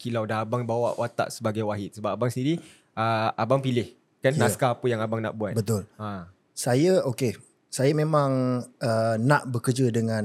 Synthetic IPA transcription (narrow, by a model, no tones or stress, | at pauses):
kilawdaɦabaŋbawa̰ʔwat̪a̰ʔsəbaɡajwaɦɪt̪̚səbap̚abaŋsəndiɾi | əabaŋpilɪh | kanːãskaːpəjaŋabaŋna̰ʔbuat̪bət̪ʊla | sajəoke | sajamẽmãŋənaʔbəkərd͡ʒədəŋãn